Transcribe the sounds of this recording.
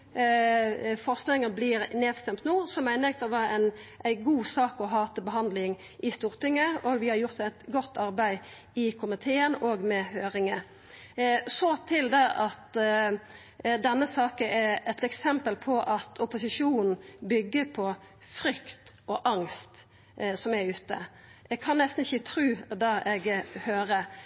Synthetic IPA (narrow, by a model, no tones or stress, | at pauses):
fɔʁst̪lɪŋəblɪːɾneːd̪st̪ɛmt̪nuːsɔmæɪnɛkt̪ɔʋɑænʔæɪɡuːsɑːkɔɦɑːt̪əbəɦɑnd̪lɪŋ | ʔɪst̪uːʁt̪ɪŋːəɔɡʋɪhɑɾjʊʁt̪æɪt̪ɡɔt̪ːɑʁbæɪ | ɪkʰʊmɪt̪ʰeːənɔːɡmɛhøːɾɪŋə | sɔt̪ʰɪld̪ɛʔɑt̪ | d̪ɛnːəsɑːkəɛɛt̪ɛksɛmpəlpʰɔʔɑt̪ʰɔpʊsɪʂuːnn̩bʏɡːəpʰɔ | fɾʏkt̪ʔɔʔɑŋst̪ | sɔmɛɾʉːt̪ə̰ | ɛɡkʰɑnnɛst̪n̩ɪçːət̪ʰɾʉːd̪ɑʔɛɡhøːɾə